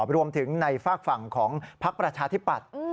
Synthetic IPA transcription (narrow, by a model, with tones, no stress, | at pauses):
p̚ɾu˧əmt̪ʰɯ˩˦ŋna˧jfaː˥˩k̚fa˨˩ŋkʰɔː˩˦ŋpʰa˦˥k̚pɾa˧t͡ɕʰaː˧t̪ʰi˦˥pːa̰˨˩t̪̚